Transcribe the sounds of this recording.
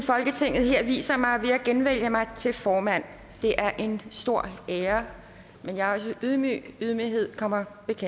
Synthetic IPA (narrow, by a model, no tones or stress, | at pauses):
fɒ̽lɡ̥ət͡sʰe̝ŋ̰ð̩ˠɦeɐ̰ʋḭːsɐmɑ̈ɪʋe̝æɡ̥enʋel̰jəmɑ̈ɪt͡sʰe̝lfɒːmæn̰ | d̥e̝ʔæɐʔe̝nsd̥o̝ɐ̰eːɐ | menjɑ̈ɒ̽s̬əyðˠmy̰yðˠmiɦe̝ð̞̰ˠkʰɒ̽m̰ɐb̥e̝kʰe